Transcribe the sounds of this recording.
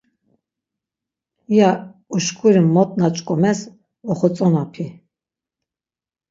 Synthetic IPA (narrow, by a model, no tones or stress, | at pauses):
jauʃkʰʼuɾimːɔt̪ʼnat͡ʃʼkʼɔmɛs | ɔχɔt͡sʼɔnapʰi